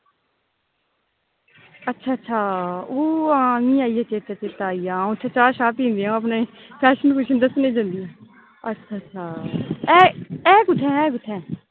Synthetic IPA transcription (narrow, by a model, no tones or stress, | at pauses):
ətːʃʰaːətːʃʰaːoːãmĩːaːijat͡ʃeːt̪at͡ʃeːt̪aːijãːtt͡ʃʰaːt͡ʃaːʃaːpĩːnd̪iɛ̃ːəpneː | pʰɛːʃənkʊʃənd̪əsnẽːd͡ʒə̃nd̪iɛ̃ː | ətːʃʰaːtːʃʰaːɛːɛːkʊʈʰːɛ̃ːɛːɡʊʈʰːɛ̃ː